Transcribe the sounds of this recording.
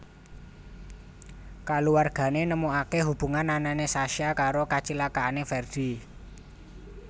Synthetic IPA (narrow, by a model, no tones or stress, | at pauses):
kaluwarɡ̥ä̤nenəmuakeɦub̥ṳŋanːananesaʃjakaɾokat͡ʃilakaanefɛrd̪̥i̤